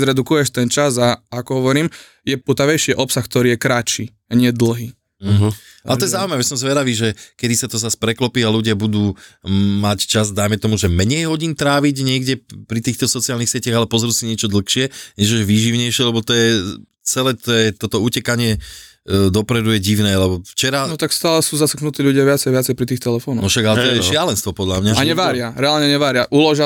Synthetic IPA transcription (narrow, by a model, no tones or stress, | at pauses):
zɾɛd̪ukujɛʃt̪ɛnt͡ʃazaakɔɦɔʋɔɾiːm | jɛput̪aʋɛjʃɪɛʔɔpsaxk̚t̪ɔɾiːjɛkɾat͡ʃiː | aɲɪɛd̪l̩ɦiː | a̰lɛt̪ɔjɛzaʊuimaʋɛsɔmzʋɛd̪aʋiːʒɛkɛd̪isat̪ɔzaspɾɛklɔpiːaluɟɪabud̪uːmact͡ʃazd̪ajmɛt̪ɔmuʒɛmɛɲɛjɦɔɟiːnt̪ɾaːʋiɟɲɪɛɡɟɛpɾit̪iːxt̪ɔsɔt͡siaːlnixsɪɛcaɣalɛpɔzɛɾuːsiɲɪɛt͡ʃɔd̪l̩xʃɪɛɲɛʒɛʒʋiːʒiʊɲɛjʃɪɛlɛbɔt̪ɔjɛ | t͡sɛlɛːt̪ɔjɛt̪ɔt̪ɔucɛkaɲɪɛ | d̪ɔpɾɛd̪ujɛɟiʊnɛːlɛbɔft͡ʃɛɾanɔt̪akst̪aːlɛsuːzasəknut̪iːʎuɟɪaʋɪat͡sɛjʋɪat͡sɛjpɾit̪iːxt̪ɛlɛfɔːnɔ̰nɔʃaɡalɛt̪ɔjɛʃɪalɛnst̪ʋɔpɔd̪ʎamɲaaɲɛʋaːɾɪaɾɛaːlɲɛɲɛʋaːɾɪaʔulɔʒa